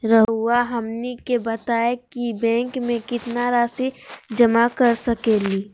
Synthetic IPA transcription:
ɾəɦuaɦɐmnikebət̪aːekibɛ̃ːŋkmẽkɪt̪naɾaːsid͡ʒəmakəɾsəkeliː

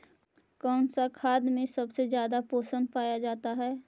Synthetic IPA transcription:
kɔːnsakʰaːd̪mẽsɐbsezjaːd̪apoːsə̃nd̪paːjad͡ʒaːt̪aɦɛː

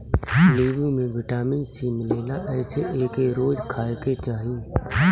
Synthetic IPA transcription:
leːbimẽʋɪʈaːmɪnsimɪleːnaʔɛːseʔeːkeɾoːd͡ʒkʰaːket͡ʃaːɦiː

